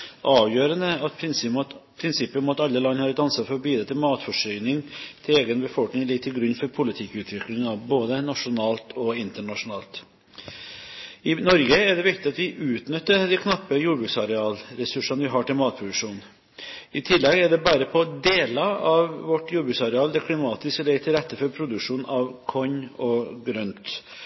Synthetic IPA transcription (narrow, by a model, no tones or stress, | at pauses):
ʔɑːʋjøːɾənəɑt̪̚pʰɾɪnspʰɾɪnsɪpːəɾmɔt̪ɑlːəlɑnːhɑːɾət̪ɑnsəfɔɾɔbiːd̪ɾət̪ʰɪlmɑːt̪fɔʂœʏnɪŋt̪ʰɪleːɡənbəfɔlknɪŋlɪɡ̚t̪ʰːɪlɡɾʉnːfɔɾpʰʊlɪt̪ʰɪkːʉːt̪ʰʋɪklɪŋɑboːd̪ənɑʂʊnɑːlt̪ʰɔɪnt̪əɳɑʂʊnɑːlt̪ | ɪnɔɾɡəæɖɛʋɪkt̪ɪɑt̪ʋɪʔʉːt̪nʏt̪ːəd̪ɪkʰnɑpːəjuːbɾʉːksɑɾɛɑːlɾɛsʉʂɑnʋɪɦɑːʈɪlmɑːt̪̚pʰɾʊd̪ʉʂuːn | ɪt̪ʰɪlːɛɡæɖɛbæːɾəpʰɔd̪eːlɑɑʋːɔʈːjuːɾbʉːksɑɾɛɑːld̪ɛkʰlɪmɑːt̪ɪsklɛɡt̪ʰɪlɾɛt̪ːəfɔɾpʰɾʊd̪ʉkʂuːnɑʋkʰɔɲɔɡɾœnt̪